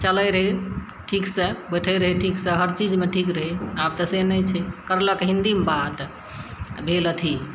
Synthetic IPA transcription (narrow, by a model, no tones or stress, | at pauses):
t͡ʃələjɾəɦe | ʈʰiksəbəʈʰəjɾəɦiʈʰiksəɦəɾt͡ʃid͡ʒmeʈʰikɾəɦeabt̪əsenət͡ʃʰɛkəɾləkɦĩnd̪imbat̪ | bʱelət̪ʰi